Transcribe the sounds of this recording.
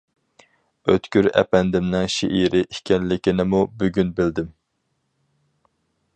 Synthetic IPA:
øt̪kʲyɾɛ̰pɛnd̪ɪmnɪŋʃiʔiɾʔɪʔikʲʰɛnlɪkʲinɪmubyɡʲynbɪld̪ɪm

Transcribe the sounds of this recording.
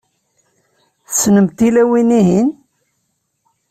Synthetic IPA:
θəsnəmt̪ilæwiniɦin

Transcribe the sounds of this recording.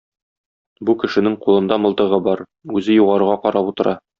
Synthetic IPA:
bukɘ̆ʃɘ̆nɘŋqulˠɤ̆nd̪ɑmɤ̆lˠt̪ɤ̆ʁɤbɒɾ | ʉzɘjuʁɑɾuʁɑqɒɾɑput̪ɤ̆ɾʔɑ

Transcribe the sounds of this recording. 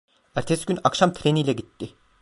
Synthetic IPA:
æɾt̪ʰesɟ̥ʲynakʃamt̪ʰɾeniːlʲɛɟit̪ːɪ

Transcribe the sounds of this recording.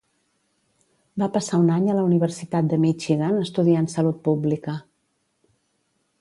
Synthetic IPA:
bapəsaunaɲələuniβ̞ərsit̪at̪̚d̪əmit͡ʃiɣənəst̪uðiansəlut̪̚publikə

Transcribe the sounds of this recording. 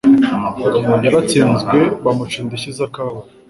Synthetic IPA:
jaɾat͡siːnzɡɡwe̞βamut͡ʃiːndeçizakaːwa

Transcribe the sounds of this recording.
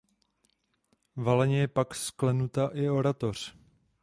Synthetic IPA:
valɛɲɛjɛpaksklɛnut̪aʔɪo̞ɾat̪o̞r̝̥

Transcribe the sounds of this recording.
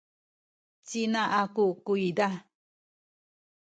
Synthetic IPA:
t͡ʃinãʔakukuid̪a

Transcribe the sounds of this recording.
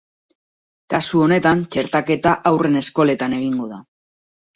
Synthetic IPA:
kasuo̞ne̞t̪ant͡ʃe̞ɾt̪ake̞t̪aʔawre̞ne̞sko̞le̞t̪ane̞ɣ̞iŋɡo̞ða

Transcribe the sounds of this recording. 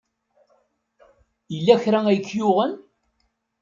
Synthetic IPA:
jəlːæçɾææjəkːjʊʁən

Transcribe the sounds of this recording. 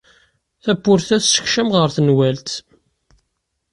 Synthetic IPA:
θæpːʊɾθæθsə̥çʃæmʁəɾθnwælt̪

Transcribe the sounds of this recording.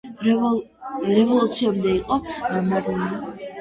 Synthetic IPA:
ɾɛvɔlˠut̪sʰiuɾid̪aiqʼɔmad̪ɛni

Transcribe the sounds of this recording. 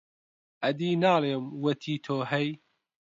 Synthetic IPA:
ʔɐd̪iːnaːleːmwɐt̪ʰiːt̪ʰoːɦɛj

